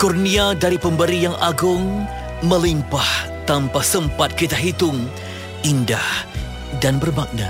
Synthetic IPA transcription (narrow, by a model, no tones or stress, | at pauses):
kurniadaɾipəmbəɾijaŋʔaɡʊŋ | məlimpah | t̪ampasəmpat̪̚kit̪aɦit̪ʊŋ | indah | danbərbaʔ̚na